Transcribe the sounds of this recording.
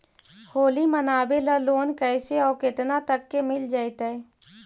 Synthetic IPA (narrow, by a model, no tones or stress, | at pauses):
hoːlimənaːbeləloːnkɛɪseɔːɾkɪt̪nat̪əkːemɪld͡ʒaːɪt̪ɛɛ